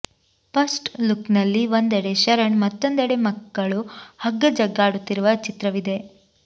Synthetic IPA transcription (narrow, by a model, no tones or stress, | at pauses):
pɐsʈluknɐlːiʋond̪ɛɽe̞ʃɐɾɐɳmɐt̪ːond̪ɛɽe̞mɐkːɐɭuhɐɡːɐd͡ʒɐɡːaːɽut̪ːiɾuʋɐt͡ʃit̪ɾɐʋid̪e̞